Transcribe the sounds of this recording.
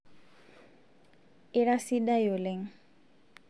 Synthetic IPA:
i˦ɾa˦si˦da˦jo˨lɛ˨ŋ

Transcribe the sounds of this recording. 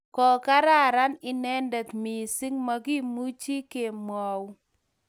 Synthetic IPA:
kɔ˨ka˦ɾa˦ɾa˦nɪ˦nɛ˦ndɛ˨t̪mi˨sɪ˦ŋma˨ɡi˦mu˦t͡ʃi˦ke˨mwɔ˨w

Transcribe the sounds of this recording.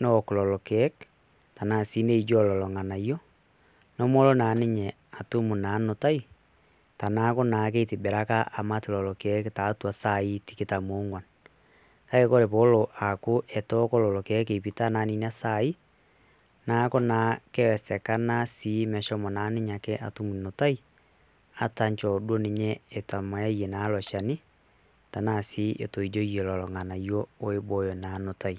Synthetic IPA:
nɔ˦˨ko˨lɔ˨lɔ˨keɛ˦k | ta˨na˨si˦ne˦id͡ʒɔ˦lɔ˨lɔ˨ŋa˨na˨ijɔ˦ | nɔ˦mɔ˦lo˦na˨neɲɛ | a˨tu˦mu˨na˨˦no˨ta˦i˦ | ta˨na˦ko˦na˨k̬e˦iti˨be˨ɾa˦ka˦ʔa˨ma˦ti˨lɔ˨lɔ˨keɛ˦kta˨twa˨sa˦i˦tike˦tamoŋwa˨n | ka˦ke˦ko˦ɾe˨βo˦loʔa˨ko˦ʔɛ˨to˦ko˦lɔ˨lɔ˨kɛ˦ke˨pi˨ta˦na˦ni˦n˦a˦sai˦ | na˦ko˦na˨kɛ˦wɛ˨sɛ˨ka˦na˦si˦mɛ˨ʃɔ˦mɔ˨na˦ne˦ɲa˨kɛ˦ʔa̰˨tu˦mu˨no˨ta˦i˦ | a˦ta˦ɲt͡ʃɔ˨dwo˦ne˨ɲɛ˦e˨ta˨mɔ˨ja˦ije˨na˨˦lɔ˨ʃa˨ni˦ | ta˨na˨si˦ʔḛ˨to˨i˨d͡ʒo˦je˨lɔ˨lɔ˨ŋa˨na˨jɔ˦o˦e˦bo˨˦jɔ˨na˨no˨ta˨i

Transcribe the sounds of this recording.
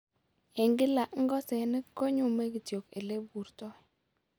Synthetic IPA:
ɛ˨ŋɡɪ˦la˨ʔŋ̩˦ɡɔ˦sɛ˨nɪ˦kːo˦ɲu˦˨me˦ki˨tjo˨kḛ˨le˦bu˨ɾtɔ˦i˨

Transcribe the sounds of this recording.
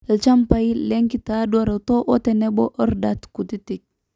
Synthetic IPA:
lt͡ʃa˦mpa˨i˦le˦ŋki˦ta˨dwa˨ɾa˨to˦ʔo˦te˨ne˦bo˦ʔə˦ɾda˨tku˨ti˦ti˨k̚

